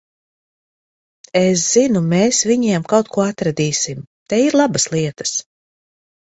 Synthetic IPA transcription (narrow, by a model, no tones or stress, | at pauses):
es̬z̥inumeːsviɲiɛmkawt̪̚kuɔat̪ɾad̪iːsimt̪ɛiɾlˠabaslˠiɛt̪ə̥s